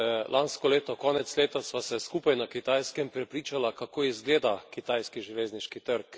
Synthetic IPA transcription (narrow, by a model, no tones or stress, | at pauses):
lʔanskɔleːt̪ɔkɔːnɛt̪sleːt̪asʋasɛskuːpajnakit̪ajskɛmpɾɛpɾiːt͡ʃalakakoːizɡleːd̪akit̪ajskiʒiʋeːzniʃkit̪əɾk